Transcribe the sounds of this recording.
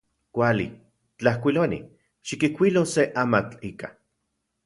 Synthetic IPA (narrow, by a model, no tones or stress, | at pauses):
kʷalḭ | t͡ɬahkʷilonḭ | ʃikikʷiloseʔamat͡ɬika